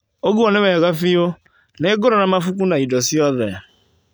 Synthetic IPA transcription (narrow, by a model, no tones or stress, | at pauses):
oɡuɔnemeɣafijo | neɡʊɾonamafukunaidɔsiɔðɛ